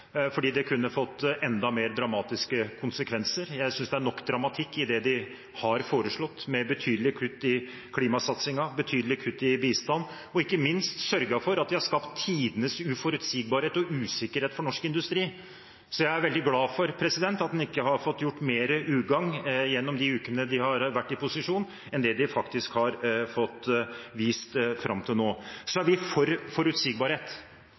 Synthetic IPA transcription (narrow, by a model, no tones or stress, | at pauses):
fɔɖiːd̪ɛkʰʉnːəfɔt̪ːʔɛnd̪ɑmeːɾd̪ɾɑmɑːt̪ɪskəkʰʊnsəkʰʋɛnsəɾjæɪsʏnsd̪ɛæɳɔkːd̪ɾɑmɑt̪ʰɪkːɪd̪ɛd̪ɪ | hɑɾfoːɾəʂɭɔt̪ːmɛbət̪ʰyːd̪əlɪkʰɾʉt̪ːɪ | kʰliːmɑsɑt̪sɪŋɑbət̪ʰyːd̪lɪkʰʉt̪ːɪbiːst̪ɑnː | ɔɪkːəmɪnst̪sœɾɡɑfɔɾɑt̪̚d̪ɪhɑɾʂkɑpt̪ʰːiːd̪ənəsʉfɔɾʉt̪siːɡ̚bɑːɾheːt̪ɔʉːsɪkəɾheːt̪fɔɳɔʂkɪnd̪ʉst̪ɾiː | sɔjæɪæɾʋɛld̪ɪɡlɑːfɔɾpʰɾɛsɪd̪ɛnt̪ɑt̪̚d̪ɛnɪkːəhɑɾfɔt̪ːjʊʈːmeːɾəʔʉːɡɑŋjɛnːɔmd̪ɪʉːkənəd̪ɪhɑɾʋæʈːɪpʊsɪʂuːn | ɛnd̪ɛd̪ɪfɑkt̪ɪskhɑɾfɔt̪ːʋiːst̪fɾɑ̰mt̪ʰɪlnoːsɔæɾʋɪfɔɾfɔɾʉt̪siːɡbɑːɾheːt̪